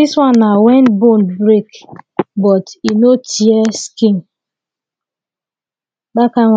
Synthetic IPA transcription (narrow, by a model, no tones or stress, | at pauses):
iswanːawɛntbonbɾekbɔtinotieskin | bakaŋʷ